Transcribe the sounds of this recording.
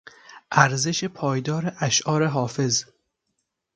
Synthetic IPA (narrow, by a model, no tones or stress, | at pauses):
ʔæɾze̞ʃepʰɒːjd̪ɒːɾeʔæʃʔɒːɾeɦɒːfe̞z